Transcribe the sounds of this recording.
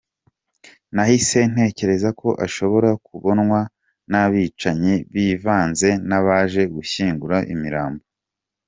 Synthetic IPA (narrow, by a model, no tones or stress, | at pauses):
nahise̞n̥e̞ːce̞ɾe̞zakʰo̞ʔaʃo̞βo̞ɾakuβo̞nŋwa | naβiːt͡ʃaɲiβiːvaːnze̞naβaʒe̞ɡuçiːŋɡuɾaʔḭmiɾaːmbo